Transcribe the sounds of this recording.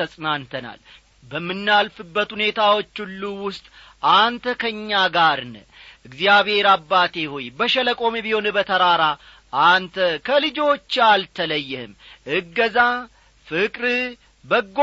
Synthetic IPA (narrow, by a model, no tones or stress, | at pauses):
əsʼɨnant̪ʰəna̰l | bəmːɨnːalfɨbːət̪hune̞t̪ʰawo̞t͡ʃːulːuwʊst̪ʼ | ʔant̪ʰəkʰəɲːaɡaɾnɨ | ʔɨɡzjaβhe̞ɾabːat̪ʰe̞hojbəʃɛləkʼo̞mibiho̞nbət̪ʰəɾaɾa | ʔant̪ʰəkʰəlɨd͡ʒo̞t͡ʃːalt̪ʰələjːɪhɨ̰mʔɨɡːəza | fɨkʼɾɨ | bəɡː